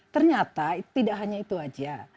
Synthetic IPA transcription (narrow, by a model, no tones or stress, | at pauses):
t̪ərɲat̪at̪idaʔɦaɲait̪uad͡ʒa